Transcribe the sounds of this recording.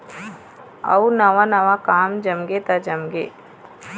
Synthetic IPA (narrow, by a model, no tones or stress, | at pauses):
ɐ̰unaʋanaʋakaːmd͡ʒɐmɡet̪ad͡ʒɐmɡeː